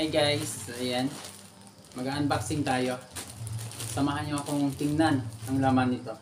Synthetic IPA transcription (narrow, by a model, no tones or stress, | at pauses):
ajɡajsɐjɛn | mɐɡaːʔɐnbaksɪŋt̪aːjo̞ | sɐmaːɦanjoʔɐkoŋŋt̪ɪŋnanɐŋlaːmanːɪt̪o̞